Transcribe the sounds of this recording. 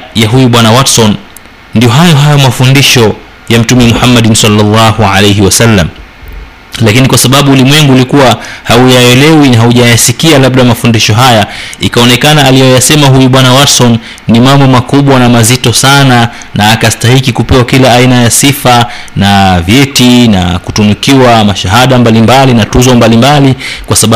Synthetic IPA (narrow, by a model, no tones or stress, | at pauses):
jaɦujuɓwanawatsɔnː | dijɔɦajɔɦajɔmafundiʃɔ | jam̩tumɛmuhamːaɗnsalːalːɑhualejɦiwasalːa̰m | lakinikwasaɓaɓuːlimwɛŋɡuːlikuwahaujaɛlɛwinaɦauʄajasikialaɓɗamafundiʃɔɦajaikaɔnɛkanaːlijɔjasɛmaɦujuɓwanawatsɔnː | imambɔmakuɓwanamazitɔsana | naːkastahikikupɛwakilaːinajasifa | navjɛtina̰kutunukiwamaʃaɦaɗambalimbalinatuzɔmbalimbalikwasaɓa